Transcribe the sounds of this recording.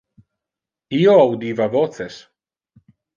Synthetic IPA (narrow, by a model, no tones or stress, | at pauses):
iːoawd̪iːvavoːθɛs